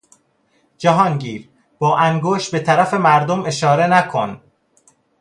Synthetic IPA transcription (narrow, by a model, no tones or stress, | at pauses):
d͡ʒæɦɒːŋɟiːɾ | b̥ɒːʔæŋɡoːʃt̪̚be̞t̪ʰæɾæfe̞mæɾd̪ome̞ʃɒːɾe̞nækʰon